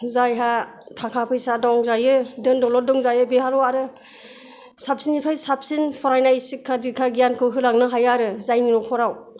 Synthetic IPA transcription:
zajɦatʰakʰapʰɯjsadɔŋzajɯdɯndɔlɔdɔŋzajɯbehalɔaɾɯ | sap̚sinipʰajsap̚sinpʰɔɾajnaisikʰːadikʰaɡijankʰɯɦɯlaŋnɯɦajaɾɯzajninɔkʰɔɾaw

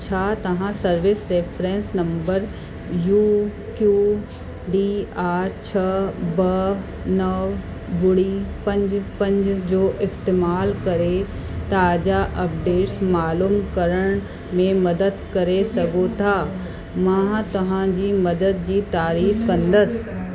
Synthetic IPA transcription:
t͡ɕʰaːt̪ɐʋãsɐɾʋɪsɾeːpʰɾẽːnsnɐ̃mbəɾ | juː | kjuː | ɖiːaːɾt͡ɕʰɐbɐ | nɐʋ | bʊɽipɐ̃ɲd͡ʑpɐ̃ɲd͡ʑd͡ʑoːʔɪst̪eːmaːlkɐɾe | t̪aːd͡ʒaʔɐpɖeːʈsmaːluːmkəɾəɽ̃ | mẽmɐd̪əd̪kɐɾesɐɡot̪ʰaː | mãt̪ɐɦãd͡ʒiːmɐd̪əd̪̚d͡ʒiːt̪aːɾiːfkɐ̃nd̪əs

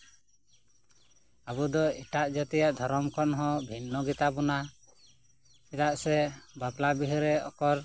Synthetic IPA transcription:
abud̪ɔiʈaʔd͡ʒat̪ɛjaʔd̪ʱɔɾɔmkɔnɦɔ̃bʱinːɔɡit̪abɔna | ɛt̪aʔsɛbaplabiɦɾɛɔ̰kɔɾ

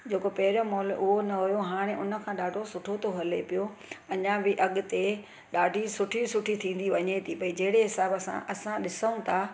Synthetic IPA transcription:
d͡ʑeːkopɐɦɪɾjomɔːlʔʊɦonɐɦʊjoɦaːɽ̃eʔʊnə̆kʰãːɗaːɖʱosʊʈʰot̪ʰoɦɐlepijoɐɲãbɪʔɐɠʊ̆t̪e | ɗaːɖʱisʊʈʰisʊʈʰit̪ʰĩːn̆d̪iʋɐɲet̪ʰipɐid͡ʑɐɦɪɽeɦɪsaːbɐsã̰ʔɐsãɗɪsəũt̪ʰaː

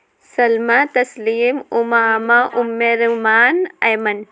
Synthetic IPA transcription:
sɐlmat̪ɐsliːmumaːmaʔʊmːeɾmaːnɐjmɐn

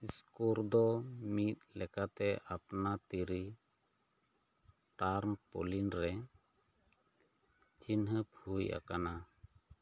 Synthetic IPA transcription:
skuɾd̪ɔmit̪̚lɛkat̪ɛʔapnat̪iɾi | ʈaɾmpɔ̰linɾɛ | t͡ʃinɦəpʰujʔa̰kana

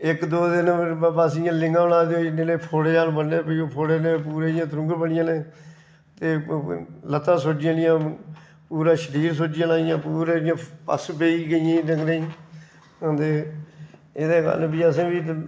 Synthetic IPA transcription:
ɪkd̪oːd̪ɪnbaːs̬ɪjãːlɪ̃ŋɡãːbənaːd̪eoːneːnẽːpʰoːɽeːaːlbənːeːpːoːpʰoːɽeːneːpuːɾeːɪjãːt̪ɾʊ̃ŋɡəɾbəɳɪjãːnẽː | t̪eː | lət̪ãːsod͡ʒɪãːnɪjãː | puːɾãːʃəɾiːɾs̬od͡ʒɪjãːnaːɪjãːpuːɾeːɪjãːpə̰speːiːɡəɪjãːnəɡneː | ə̃nd̪eː | ɪd̪eːka̰lbiːəsẽːbiː

